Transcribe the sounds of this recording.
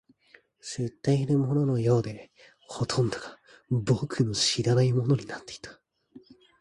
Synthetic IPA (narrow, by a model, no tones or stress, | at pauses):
se̞t̪ːainamo̞no̞no̞jo̞ːd̪e̞ | ho̞t̪ʰõ̞nd̪oɡa | bokɯnoɕiɾanaimo̞no̞ɲ̟inat̪ːe̞i̥t̪ʰḁ